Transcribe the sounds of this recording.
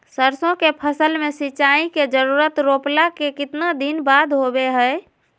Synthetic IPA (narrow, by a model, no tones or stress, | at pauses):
səɾsõkepʰəsəlmesit͡ʃaiked͡ʒəɾuɾət̪ɾoplakekit̪nad̪inbad̪ʱɦobeɦəj